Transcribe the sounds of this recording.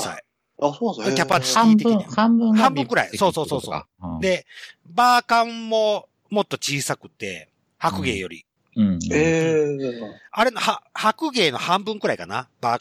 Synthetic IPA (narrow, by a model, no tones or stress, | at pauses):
sa̰i | sokʲappːat̪sɲĩt̪eiieambhãmbɯ̟̃ŋkɯ̟ɾa̰iso̞ːso̞ːso̞ːso̞̰ː | d̪e̞baːkãmmo̞ | mo̞t̪ːo̞t͡ɕiːsakɯ̟̥t̪e̞̰ | hakɯ̟ɡe̞ːjo̞̰ɾʲḭ | e | aɾe̞no̞hahakɯ̟ɡe̞ːno̞hãmbɯ̟̃ŋkɯ̟ɾaikana̰b̥aː